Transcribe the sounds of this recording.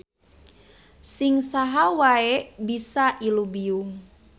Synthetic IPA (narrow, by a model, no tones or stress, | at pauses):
sɪŋsaɦawaebisaʔilubiuŋ